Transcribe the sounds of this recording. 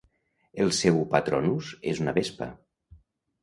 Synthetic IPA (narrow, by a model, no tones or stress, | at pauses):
elˠsɛwpat̪ɾonuzezunəβespə̰